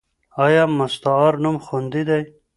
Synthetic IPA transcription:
ɑjɑmast̪ɑːɾnumxund̪id̪aj

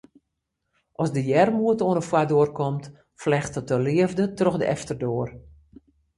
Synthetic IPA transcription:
ʔɔsdəjɛrmuətoənəfwadoərkɔmt | flɛxtətəlɪəvdətrɔxdəʔɛ̰ftərdoːər

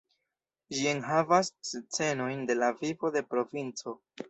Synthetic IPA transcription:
d͡ʒie̞nɦavast͡se̞no̞jnde̞lavivo̞de̞pɾo̞vint͡so̞

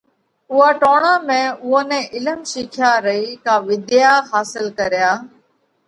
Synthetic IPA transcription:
ʊɦaːʈoːɳãːmẽːʊɦoːnɛ̃ːʔɪləmʃiːkʰjaːɾəiːkãːʋɪd̪ɪjaːhaːsɪlkəɾɪjaː

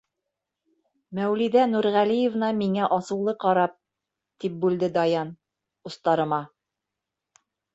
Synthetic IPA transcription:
mæwliðænuɾʁælijĕvnɑmiŋæʔɑsɤ̆wlˠɤqɑɾɑp̚ | t̪ip̚bʉld̪ɘd̪ɑjɑn | ŏst̪ɑɾɤ̆mɑ

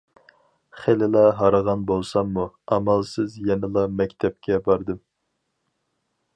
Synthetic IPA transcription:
χelɪlˠɑɦɑɾəʁɑnbolˠsɑmːuɑmɑlˠsɨzjɛnɪlˠɑmɛkʲt̪ʰɛp̚kʲɛbɑɾd̪ɨm

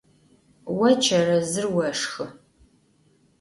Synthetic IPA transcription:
wɐt͡ʃʰɐrɐzɨrwɐʂxɨ

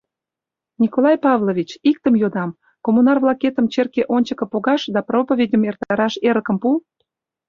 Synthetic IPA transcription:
nʲikolˠɑjpɑvlovʲit͡ɕik̚t̪əmjod̪ɑm | komunɑrvlɑket̪əmt͡ɕerkeʔonʲt͡ɕəkə̆poɣɑʃd̪ɑpropovʲedʲəmert̪ɑɾɑʃeɾəkəmpu

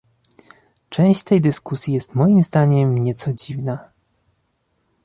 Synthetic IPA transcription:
t͡ʂɛ̃w̃ɕt͡ɕt̪ɛjd̪ɘskusʲjijɛst̪mɔjimzd̪aɲɛmɲɛt̪sɔd͡ʑivna

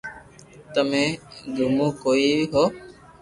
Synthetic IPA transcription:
t̪əmẽːɡ̪ʱumũːkoːiːʋiɦoː

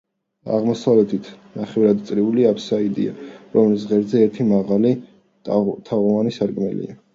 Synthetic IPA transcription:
a̰ʁmɔsavlɛt̪ʰit̪ʰnaχɛvɾad̪t̪sʼɾiuliapsaid̪ḭa̰ɾɔmlis̬ʁɛɾzɛːɾt̪ʰimaʁali | t̪ʰaʁɔvanisaɾkʼmɛlḭa

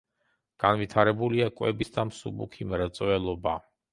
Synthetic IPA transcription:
ɡ̥anvit̪ʰaɾɛbuliakʼwɛ̰bisd̪amsṵbṵkʰimɾɛt̪sʼvɛlˠɔba

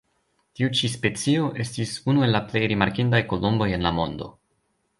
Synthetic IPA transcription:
tiut͡ʃispe̞t͡sio̞ʔe̞stisunue̞lːaple̞jɾimaɾkindajko̞lo̞mbo̞je̞nlamo̞ndo̞̰

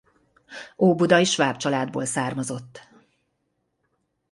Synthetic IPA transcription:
oːbud̪ɒiʃʋaːpt͡ʃɒlaːd̪bo̰ːlsaːrmɒzo̞t̪ː

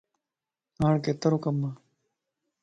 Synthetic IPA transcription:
aːɳkeːt̪ɐɾokɐmːaː

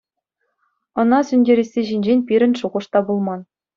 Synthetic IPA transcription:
ɤ̆nɑsʲynʲdʲeɾʲesʲːeʑinʲd͡ʑenʲpʲiɾʲɘ̆nʲʂuʁɤ̆ʂt̪ɑbulˠmɑn

